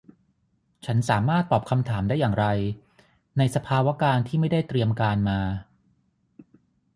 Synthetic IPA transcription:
t͡ɕʰa˦˥nsaː˩˦maː˥˩t̪ːɔː˨˩p̚kʰa˧mt̪ʰaː˩˦mdaː˥˩jːaː˨˩ŋɾa˧j | na˧jsa˧pʰaː˧wa˦˥kaː˧nt̪ʰiː˥˩ma˥˩jda˥˩jt̪ɾi˧əmkaː˧nmaː˧

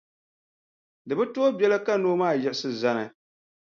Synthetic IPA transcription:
dɨ˨bɨ˦to˦o˦bɛ˦la˦ka˦noː˦maː˦˨jɛ˨ʔsɨ˦za˦nɨ˨

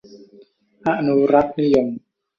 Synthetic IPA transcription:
ʔa˧ʔnu˧ɾa˦˥k̚ni˦jo˨˧m

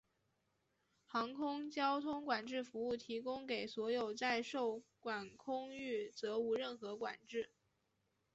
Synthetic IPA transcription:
xɑ˧˥ŋkʰʊ˥ŋt͡ɕjɑ˥ʊt̪ʰʊ˥ŋkwa˨˩nʈ͡ʂɻ̩˥˩fu˧˥u˥˩t̪ʰi˧˥kʊ˥ŋke˨˩ɪswɔ˧˥jo˨˩ʊt͡sa˥˧ɪʂo˥˩ʊkwa˨˩nkʰʊ˥ŋy˥˩t͡sɤ˧˥u˧˥ɻə˥˩nxɤ˧˥kwa̰˨˩nʈ͡ʂɻ̩˥˩

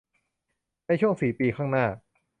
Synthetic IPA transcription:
na˧jt͡ɕʰu˥˩əŋsiː˨˩˦piː˧kʰaː˥˩ŋnaː˥˩

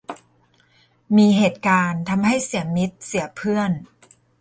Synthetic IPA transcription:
miː˧ɦeː˨˩t̪̚kaː˧nt̪ʰa˧mɦa˥˩jsi˩˦əmi˦˥t̪̚si˩˦ɐpʰɯ˥˩ən

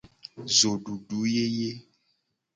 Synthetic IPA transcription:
zo˨ɖu˨ɖu˨˦je˦je˦

